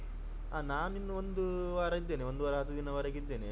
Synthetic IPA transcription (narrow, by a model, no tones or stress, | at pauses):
aːnaːninːuond̪uʋaːɾɐid̪ːeːneʋond̪uʋaːɾɐɦɐt̪ːud̪inɐʋaːɾɐːɡid̪ːe̞ːne